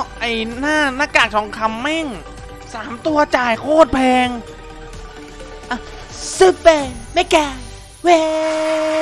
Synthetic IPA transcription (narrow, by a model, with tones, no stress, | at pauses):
ʔa˧˩jnaː˥˩naː˥˩kaː˨˩k̪̚ʰɔː˩˦ŋkʰa˧mːɛ˥˩ŋ | saː˩˦mt̪u˧ɐt͡ɕaː˨˩jkʰoː˥˩t̪̚pʰɛː˧ŋ | ʔa˧˩ | sɯ˧˦˩pe˧nma˥˩jkɛː˧˩ | weː˧˦